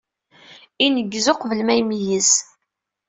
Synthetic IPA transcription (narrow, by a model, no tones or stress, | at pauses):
inəɡːzoqvəlmæjmijəs